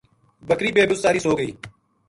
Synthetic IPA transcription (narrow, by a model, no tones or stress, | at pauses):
bəkɾiːbeːbʊssaːɾiːsoːɡəiː